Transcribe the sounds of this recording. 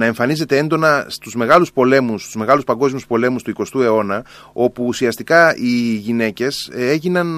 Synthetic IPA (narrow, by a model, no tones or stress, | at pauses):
nɐe̞ɱfɐnize̞t̪e̞e̞nd̪o̞nɐst̪uzme̞ɣɐluspo̞le̞must̪uzme̞ɣɐluspɐŋɡo̞zmiuspo̞le̞must̪uiko̞st̪ue̞o̞nɐ | o̞puːsiɐst̪ikɐiʝine̞ce̞se̞ʝinɐn